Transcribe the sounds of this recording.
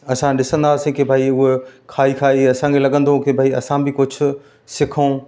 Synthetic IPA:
ɐsãɗɪsə̃nd̪aːsĩkebʱaːiʊɦekʰaːikʰaːiɐsãkʰelɐɠə̃nd̪ʱõkebʱaːiɐsãbɪkʊd͡ʑʱʊ̆ | sɪkʰo

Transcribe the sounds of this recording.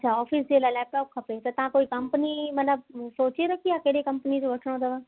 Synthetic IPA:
ɐtːʃʰaɔːfʰisd͡ʒelalɛːp̚ʈɔːp̚kʰɐpet̪at̪ɐãkoːikɐmpnimɐt̪ləb̚soːt͡ʃeɾɐkʰijakeɽekɐmpənid͡ʒobɐʈʰnãd̪ɐʋãː

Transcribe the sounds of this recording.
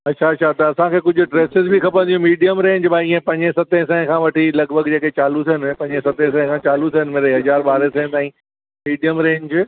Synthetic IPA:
ɐtʃʰaɐtːʃʰat̪ɐːsãkʰeːkʊd͡ʑʱʊ̆ʈɾeːsɪzbʱikɐpə̃nd̪iɦũmiːɖijəmɾẽːɲd͡ʑbʱaːĩːẽpɐ̃ɲẽsɐt̪ẽs̬ɛ̃ːkʰãːʋɐʈʰilɐɡbʱəɡd͡ʑeːket͡ɕaːlusʰɦənɪpɐ̃ɲẽsɐt̪ẽs̬ɛ̃ɦɪ̃kʰãt͡ɕaːlusʰənɪ̆meːɾeɦɐzaːɾɓaːɾesɛ̃ːɪ̃t̪aːĩ | miːɖijəmɾẽːɲd͡ʑ

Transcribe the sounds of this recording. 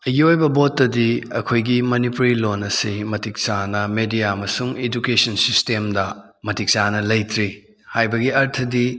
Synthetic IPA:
ɐɡiojbɐbotːɐdiɐ̰kʰojɡimɐnipuɾilonɐsimɐtik̚sanɐmedijaɐmɐsuŋed͡ʒukesɐnsistemdɐ | mɐtik̚sanɐlɐjtʰɾi | hajbɐɡiɐɾtʰɐdi

